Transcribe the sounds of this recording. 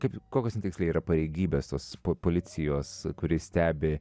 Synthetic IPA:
kɐɪpkoːkʲoːsnʲɛt̪ʲɪksʲlʲeːiːɾɐpɐɾʲɛɪɡʲiːbʲeːst̪oːspopoːlʲɪt̪sʲɪjoːskʊɾʲɪsʲt̪ʲæːbʲɪ

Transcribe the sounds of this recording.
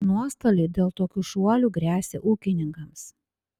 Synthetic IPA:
nuɔst̪ɐlʲɛːd̪ʲeːlˠt̪oːkʲuːʃuɔlʲuɡɾʲæːsʲeːʔuːkʲɪnʲɪŋkɐms

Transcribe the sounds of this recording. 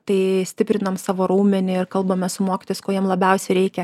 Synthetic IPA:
t̪ɐɪsʲt̪ʲɪpʲɾʲɪnɐmsɑːʋoːɾuːmʲɛnʲɪɪrkɐlˠbɐmʲɛsʊmoːkʲɪ̥t̪oːjɪskoːjiɛmlˠɐbʲɛʊsʲɛɪɾʲɛɪkʲɛ

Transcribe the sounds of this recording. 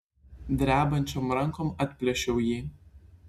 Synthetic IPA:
d̪ʲɾʲæːbɐnʲt͡ʃʲomɾɐŋkoːmɐt̪ʲpʲlʲɛʃʲɛʊjiː

